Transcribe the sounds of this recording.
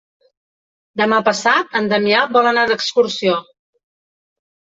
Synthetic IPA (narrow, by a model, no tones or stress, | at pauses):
d̪əmapəsat̪ənd̪əmiabɔlənaðəkskuɾsio